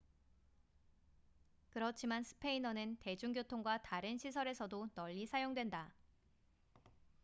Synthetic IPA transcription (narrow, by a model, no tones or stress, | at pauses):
kɯɾʌt͡ɕʰimansʰɯ̥pʰe̞inʌnɯnte̞d͡ʑuŋɡjotʰoŋɡwataɾɯnɕʰisʰʌɾe̞sʰʌdonʌʎːisʰajoŋdwe̞nda